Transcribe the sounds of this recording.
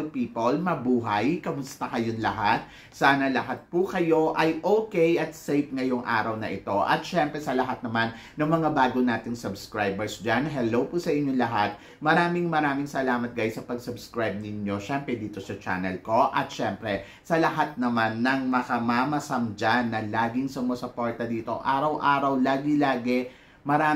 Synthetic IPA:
lpiːpolmɐbuːɦɐjkɐmʊst̪ɐkɐjonlɐɦat̪̚ | saːnɐlɐɦat̪̚pukɐjo̞ʔɐjʔoːkɛjʔɐt̪̚sejp̚ŋɐjo̞ŋʔa̰ːɾɐwnɐʔɪt̪o̞ʔɐ̰t̪̚ʃɛmpɾɛsɐlɐɦat̪̚nɐmanːɐŋmɐŋabaːɡonaːt̪ɪŋsɐbskɹajbɛɹsd͡ʒanɦɛlowpusɐʔɪɲːoŋlɐɦat̪̚ | mɐɾaːmɪŋmɐɾaːmɪŋsɐlaːmɐt̪̚ɡajsɐpɐɡsɐbskɹajb̚nɪɲjo̞ʃɛmpɾɛd̪iːt̪o̞sɐt͡ʃa̰nɛlko̞ʔɐt̪̚ʃɛmpɾɛ | sɐlɐɦat̪̚nɐmanːɐŋmɐkɐmamɐsɐmd͡ʒanːɐlaːɡɪŋsʊmosɐpoɹt̪ɐd̪iːt̪o̞ʔaːɾɐwʔaːɾɐwlaːɡɪlaːɡɛ | mɐɾaː

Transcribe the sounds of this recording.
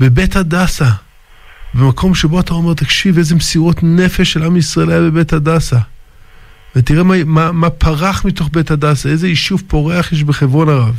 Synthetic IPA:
bebethadasa | bemakʰo̞mʃebo̞ataome̞ʁt̪akʃiveze̞mesiʁo̞tne̞fe̞ʃelamisʁaelajabe̞bethadasa | vetiʁemamamapʰaʁaχmito̞χbe̞thadasaejzeiʃuvpo̞ʁeaχjeʃ̬beχevʁo̞naʁav

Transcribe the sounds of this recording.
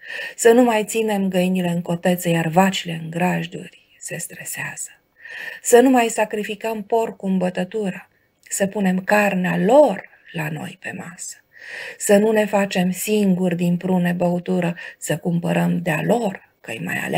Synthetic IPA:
sənumajt̪sine̞mɡəinile̞ɨŋko̞t̪e̞t̪səjarvat͡ʃile̞ɨŋɡɾaʒd̪ṵrʲ | se̞st̪ɾe̞seaz̥ə̥ | sənumajsakɾifikəmpo̞rkuɨmbət̪ət̪uɾə | səpune̞mkarnealo̞r | lano̞̰jpe̞̰masə̥sənune̞fat͡ʃe̞msiŋɡurd̪impɾune̞bəut̪uɾəsəkumpəɾəmd̪ea̰lo̞r | kə̰jma̰ja̰la

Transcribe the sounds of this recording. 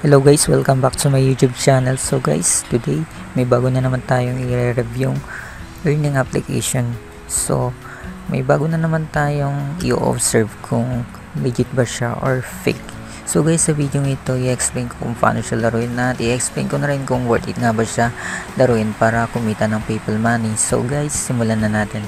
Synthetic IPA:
hɛlowɡajswɛlkɐmbak̚t̪umɐjuːt̪jub̚t͡ʃaːnɛlsoɡa̰jst̪ʊd̪ej | mɐjbaːɡonɐnɐmant̪aːjoŋɪɾɛɾɛvjʊŋ | ʔɛɹnɪŋʔaplɪ̰kʰḛjʃon | so̰ | mɐ̰jbaːɡʊnɐnɐmant̪aːjoŋʔɪ̰ʔo̰ʔo̰fsɛɹvkʰʊŋ | lid͡ʒɪt̪̚bɐʃa̰ʔoɹfḛjk | soɡajsːɐvid̪joŋɪt̪o̞ʔɪʔɛksplejnkokʊ̰ŋpa̰noʃɐlɐɾuɪnːɐt̪ʔɪʔɛksplḛjnkonɐɾɪnkʊŋwɛɹt̪ɪ̰t̪̚ŋabɐʃalɐɾuɪnpaːɾɐkʊmiːt̪ɐnɐŋpijpɐlmaːnɪŋso̰ɡajsːɪmʊlanɐnaːt̪ɪn

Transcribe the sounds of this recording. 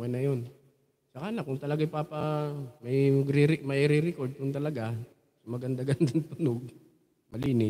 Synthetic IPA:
ɐnɐjon | sɐkanakʊŋt̪ɐlɐɡajpaːpamɐjɐɡɾɪɾɪmɐɾɪɾɪkoɾd̪̚ʊnt̪ɐlɐɡa | sʊmɐɡɐnd̪aɡand̪ʊnt̪ʊnoɡ̚ | mɐliːnɪ

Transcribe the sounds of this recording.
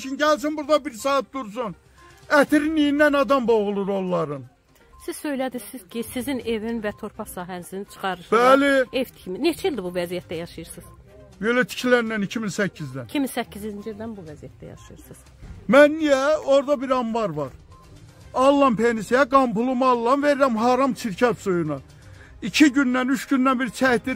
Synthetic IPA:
ʃinɟæælsinbuɾd̪ɑbiɾsɑːt̪̚d̪uɾs̬un | æt̪ʰiɾinijind̪ænɑd̪ɑmboɣulˠuɾolˠːɑɾɯn | siz̥sø̞jlæd̪isiz̥cʰisizine̞vinvæt̪ʰo̞ɾpʰɑχsɑːɦæniznit͡ʃʰɯ̥χɑɾɯʃb̥ælievt̪ʰi̥cʰiminet͡ʃʰɛilʲd̪ibuvæzijæt̪d̪æjɑʃɯjɯɾsɯz̥ | belæt̪ʰi̥cʰilænːænicʰiminsæcʰːizd̪ænicʰiminsæcʰːiziind͡ʒild̪ænbuvæzijæt̪̚d̪æ̰jɑ̰ʃɯjɯɾsɯz̥ | mænːijæoɾd̪ɑbiɾɑmbɑɾvɑɾ | ɑlˠːɑmpʰenisiæɡɑmpulˠumɑlˠːɑnveɾɾæmɦɑːɾɑmt͡ʃʰiɾcʰɑt̪sojunɑ | icʰiɟynːænyʃɟynːænbiɾt͡ʃʰæhd̪i

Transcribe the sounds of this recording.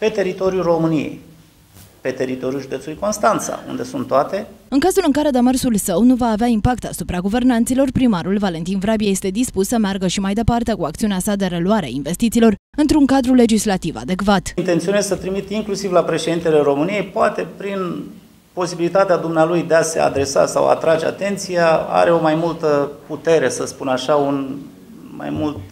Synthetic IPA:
pe̞t̪e̞ɾit̪o̞ɾjuro̞mɨnijḛj | pe̞t̪e̞ɾit̪o̞ɾijuʒud̪e̞t̪sulujko̞nst̪ant̪sa̰ṵnd̪e̞sunt̪ːoat̪e̞ɨŋkazulɨŋkaɾe̞d̪e̞mərsulsəwnuvaːveaimpakt̪asupɾaɡuve̞rnant̪silo̞rpɾimaɾulvale̞nt̪invɾabiaje̞st̪e̞d̪ispusːəmearɡəʃimajd̪e̞part̪e̞kuak̚t̪siuneasad̪e̞ɾe̞luaɾea̰inve̞st̪it̪siːlo̞r | ɨnt̪ɾuŋkad̪ɾule̞d͡ʒislat̪iva̰d̪e̞kvat̪int̪e̞nt̪sionezsət̪ɾimit̪iŋklusivlapɾe̞ʃe̞d̪int̪e̞le̞ɾo̞mɨnije̞jpoat̪e̞pɾin | po̞sibilit̪at̪ead̪umnealujd̪ease̞̰a̰d̪ɾe̞sa̰sa̰wa̰t̪ɾad͡ʒea̰t̪e̞nt̪sijaa̰ɾe̞o̞majmult̪əput̪e̞ɾe̞səspunaʃaun | ma̰jmult̪

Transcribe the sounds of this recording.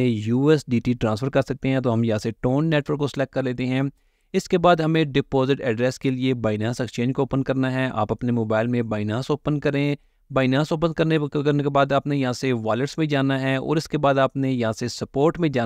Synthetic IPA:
ejuːɛsɖiːʈiːʈɾãːnsfʰəɾkɐɾsɐk̚t̪eɦɛ̃t̪̬oɦɐmjɐɦãːseʈoːnːɛːʈʋəɾkːoslɛːk̚kːɐɾleːt̪eɦɛ̃ː | ɪskebaːd̪ɦɐmẽɖɪpoːzɪʈɛːɖɾɛːskeliebaːɪnaːsɛkst͡ʃẽːɲd͡ʒkooːpənkɐɾnaɦɛːa̰ːpɐpnemoːbaːɪlmẽbaːɪnaːsoːpənkɐɾẽ | baːɪnaːsoːpənkɐɾnekɐɾnekebaːd̪aːpnejɐɦãseʋaːləʈsmẽd͡ʒaːnaɦɛɔ̰ːɾɪskebaːd̪aːpnejɐɦãːsesɐpoːɾʈmẽd͡ʒaː

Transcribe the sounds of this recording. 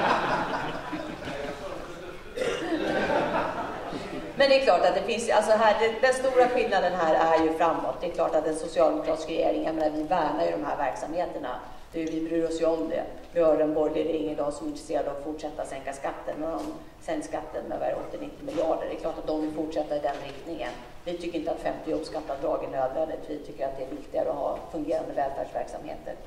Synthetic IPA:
mɛnd̪ɛkʰlɑːʈat̪̚d̪ɛfɪnsjalsɔɦæːɖɛd̪ɛnst̪uːɾaɧɪlnad̪ənɦæːɾæɾjɵfɾamːɔ̰t̪̚d̪ɛːkʰlɑ̰ːʈat̪ɛnsʊsɪɑːld̪ɛmʊkʰɾɑːt̪ɪskɾɛjeːɾɪŋjameːnavɪvæːɳaɾjɵd̪ɔmɦæɾvæɾksamheːt̪əɳa̰ | d̪̥ɛjvɪbɾyːɾɔsjɵɔmd̪ɛ̰ | vɪhœːɖɛnbɔɾɡɪəd̪ɛɾɪŋːənɔsɔmɪnt̪ɾɛseːɾad̪əɔɔfʊʈʂɛt̪ːaɾat̪sɛŋkaskat̪ʰːənːɛdɔm | sɛŋk̪ʂkat̪ːənmɛ̰vɛ̰ɾɔ̰t̪ːɪnɪt̪ːɪmɪljɑːɖə̰ɖɛklɑːʈat̪̚d̪ɔmvɪlfʊʈʂɛt̪ːaɾɪd̪ɛnɾɪkt̪nɪŋə̰n | vɪt̪ʰʏkːəɾɪnt̪əat̪fɛmt̪ɪɔpskat̪ːad̪ɾɑːɡæɳøːd̪vɛnd̪ɪt̪vɪt̪ʰʏkːəɾat̪̚d̪ɛæɾvɪkt̪ɪɡaɾəɔɦɑ̰ːfɵŋɡeːɾand̪əvɛlfæ̰ːɖʂvæ̰ɾksa̰mhḛːt̪ə̰ɾ

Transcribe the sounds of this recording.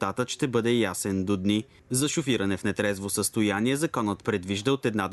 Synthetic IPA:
t̪at̪əʃt̪ɛbɤd̪ɛjasɛnd̪od̪ni | zɐʃʊfiɾɐnɛfnɛt̪ɾɛzvosəst̪ojaniɛzɐkɔnət̪pɾɛd̪viʒd̪əot̪ɛd̪nad̪

